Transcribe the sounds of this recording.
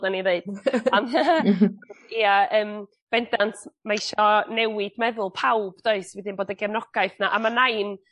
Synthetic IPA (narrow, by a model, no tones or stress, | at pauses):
daniðeɨd̥am | iaəːm | b̥ɛndantʰmaiʃɔnɛwɪd̥mɛðʊlˠpʰawb̥doɨswɪdɪnboːdəɡɛrnɔɡ̥aɨθnaʔamanajn